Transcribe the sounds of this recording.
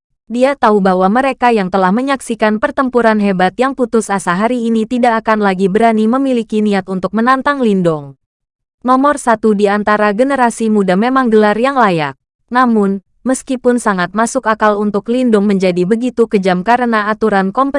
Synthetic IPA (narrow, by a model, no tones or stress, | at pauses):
diat̪aubaɦwaməɾekajaŋt̪əlahməɲaksikanpərt̪əmpuɾanɦebat̪jaŋput̪ʊsasaɦaɾiːnit̪idaʔːkanlaɡibəɾaniməmilikiniat̪unt̪ʊk̚mənant̪aŋlindʊŋ | nɔmɔrsat̪udiant̪aɾaɡənəɾasimudamemaŋɡəlarjaŋlajak̚ | namʊn | məskipʊnsaŋat̪̚masʊkakalunt̪ʊklindʊŋməɲd͡ʒadibəɡit̪ukəd͡ʒamkaɾənaːt̪uɾankɔmpə